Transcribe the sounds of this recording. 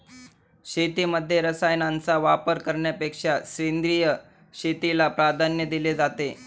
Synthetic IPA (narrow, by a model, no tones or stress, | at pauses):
ɕet̪iməd̪ʱːjeɾəsajnant͡saʋapəɾkəɾɳjapekʂaɕɾend̪ɾijə | ɕet̪ilapɾad̪ʱanjəd̪iled͡zat̪e